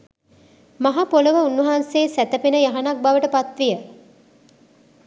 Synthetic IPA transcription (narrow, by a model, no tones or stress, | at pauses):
maɦapoləʋəunːuɦaːnseːsæt̪əpenəjaɦanak̚baʋəʈəpat̪ʋijə